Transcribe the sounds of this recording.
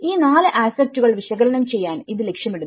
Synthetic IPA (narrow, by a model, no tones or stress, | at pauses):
iːnaːlɨʔaːsɐk̚tuɣɐɭʋiɕɐɣɐlɐnɐmt͡ɕe̞jːaːniðɨle̞kʂjɐmiɽu